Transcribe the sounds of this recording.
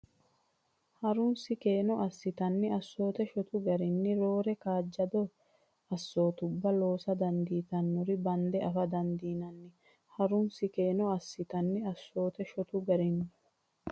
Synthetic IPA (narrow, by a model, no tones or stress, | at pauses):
hɐɾʊnsɪkeːnɔʔɐsːɪt̪ɐnːɪɐsːo̞ːt̪ɛʃɔt̪ʊɡɐɾɪnːɪɾo̞ːɾɛkaːd͡ʒːɐd̪ɔ | ɐsːo̞ːt̪ʊbːɐlo̞ːsɐd̪ɐnd̪iːt̪ɐnːɔɾɪbɐnd̪ɛʔɐfɐd̪ɐnd̪iːnɐnːɪ | hɐɾʊnsɪkeːnɔɐsːɪt̪ɐnːɪɐsːo̞ːt̪ɛʃɔt̪ʊɡɐɾɪnːɪ